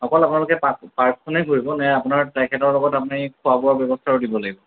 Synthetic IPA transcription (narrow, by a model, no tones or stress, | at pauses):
ɔkɔlapunalʊkɛpapaɹkkʰɔnejkoɹibɔnɛapʊunaɹtajkʰɛtɔɹlɔɡɔtapunikʰʊabɔaɹbjɔbɔstʰaɹodibɔlaɡibɔ